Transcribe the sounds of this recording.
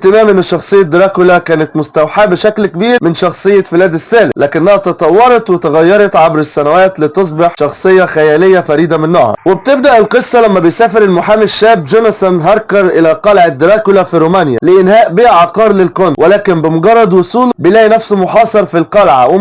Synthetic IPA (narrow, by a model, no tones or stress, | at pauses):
t̪ɪmæːmʔɪnːɪʃːɑxsˤɨjːad̪ɾˤɑːkʊlakæːnɪt̪mʊst̪awħaːbɪʃæklkɪbiːɾmɪnʃɑxsˤɨjːafɪlæːd̪ɪsːæːlɪlæːkɪnːæhæt̪ɑt̪ˤɑwːɑɾˤɑt̪wɪt̪ɪɣajːɑɾˤɑt̪ʕabɾɪsːænawæːt̪lɪt̪s̬ˤbɪħʃɑxsˤɨjːɑxæjæːlɪjːafæɾiːd̪amɪnːɑhɑ̰ɾwɪb̚t̪ɪb̚d̪aʔɪlqɨsˤːɑlæmːæbɪjsæːfɪɾɪlmʊħaːmɪʃːæːbd͡ʒʊnsænɦɑɾˤkɑɾˤʔɪlæqɑlʕɪd̪ːɪɾɑːkʊlafiɾuːmæːnja̰lɪʔɪnhæːʔbɪʕɑqɑːɾˤlɪlkʊnwɪlæːkɪmbɪmʊɡɑrˤːɑd̪ˤwʊsˤuːlbɪlæːnæfsmʊħɑːsˤɑɾˤfilqɑlʕa̰wɪ